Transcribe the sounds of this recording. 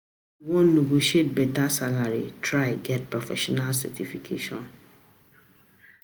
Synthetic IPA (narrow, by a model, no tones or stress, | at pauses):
wɔ̃nːoɡoʃet̚bɛtasalaɾḭtʰɾaɪɡɛt̚pʰɹɔfɛ̰ʃɔnalsɛ̰tʰifikʰḛːʃɔ̰̃n